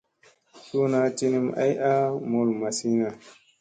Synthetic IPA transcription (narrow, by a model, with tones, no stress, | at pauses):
su˦na˦ti˦ni˦ma̰˦jʔa˦mo˦lma˨si˦na˨